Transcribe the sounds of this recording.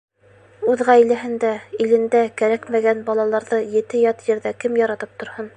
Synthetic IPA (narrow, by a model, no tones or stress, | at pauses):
ʉðʁæilæɦɘ̆nd̪æilɘ̆nd̪ækæɾækmæɡænbɑlˠɑlˠɑɾðɤjɘ̆t̪ɘjɑt̪jɘ̆ɾðækɘmjɑɾɑt̪ɤp̚t̪ŏɾhɤn